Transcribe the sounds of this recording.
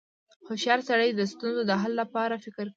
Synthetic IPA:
hʊʃjɑɾsaɽəjd̪əst̪unzod̪əɦalːapɑɾafɪkɪɾk

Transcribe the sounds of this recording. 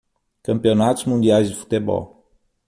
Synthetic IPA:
kɐ̃mpionat̪ʊzmũnd̪iajzd̪ifu̥t̪ebɔ̰l

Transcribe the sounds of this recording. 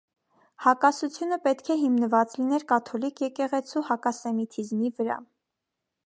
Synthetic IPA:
hɑkɑsut͡sʰjunəpɛt̪kʰɛɦimnəvɑt͡slinɛɾkɑt̪ʰɔlikʰjɛkɛʁɛt͡sʰuhɑkɑsɛmit̪ʰizmivəɾɑ̰

